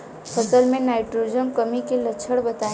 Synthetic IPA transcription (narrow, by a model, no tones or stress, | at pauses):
sət̪əɾmẽnaːɪʈɾod͡ʒəmkəmikelət͡ʃʰəɽbət̪a